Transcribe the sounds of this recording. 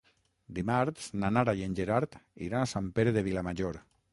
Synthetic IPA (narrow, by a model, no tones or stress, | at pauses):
d̪imaɾt̪snanaɾajenʲd͡ʒeɾaɾt̪ḭɾanasampeɾeðeβilamaʒoɾ